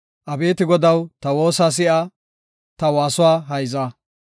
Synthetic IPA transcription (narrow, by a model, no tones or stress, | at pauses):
ʔɐbe̞ːt̪ɪɡɔd̪ɐwt̪ɐwo̞ːsaːs̬ɪʔɐ | t̪ɐwaːsʊwaːɦɐjza